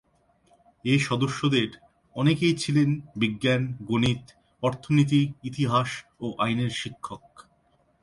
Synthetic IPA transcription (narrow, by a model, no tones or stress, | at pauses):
eʃɔd̪oʃːod̪eɾ | ɔnekejt͡ɕʰilenbiɡːanɡonit̪ | ɔɾt̪ʰonit̪̬iit̪iɦaʃoʔajneɾʃikʰːok̚